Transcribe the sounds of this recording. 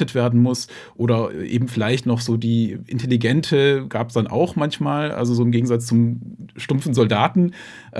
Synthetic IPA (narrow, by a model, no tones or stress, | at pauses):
ətv̥eːɐdn̩mʊs | ʔoːɾɐʔḛːbm̩fɪlaɪçtnɔχz̥oːdiːʔɪ̰ntʰeliɡɛntʰəɡ̥aːpəsd̥anʔa̰ʊxmançmaːlʔa̰lzozoːɪmɡeːɡŋ̩zat͡st͡sʊmʃtʊmfn̩zɔldaːtn̩ | ʔ